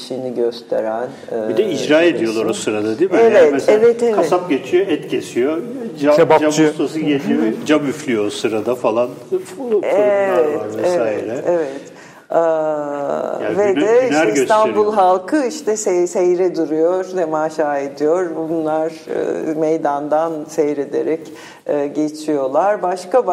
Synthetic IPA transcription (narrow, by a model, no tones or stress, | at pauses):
iʃiniɟøst̪ʰe̞ɾænː | bid̪ɛid͡ʒɾaːed̪ijo̞lˠaɾosɯɾad̪ad̪imeɛesevɛt̪ekvʰaɛsap̚ɟet͡ʃʰijoɛt̪cʰesijod͡ʒabad͡ʒamust̪asɯjelʲibd͡ʒabyflʲyjosɯɾad̪afalˠan | evɛaɾvɛsesaːiɾɛevɛt̪ː | avɛd̪ɛiʃæɾɛsøanbulˠɦalˠkʰɯiʃt̪ʰɛsɛsejɾɛd̪uɾujoɾd̪ɛmaːʃaːed̪ijoɾbunlˠaɾ̰ | mejd̪and̪ansejɾed̪e̞ɾɛcː | ɟet͡ʃʰijo̞lˠaɾbaʃkab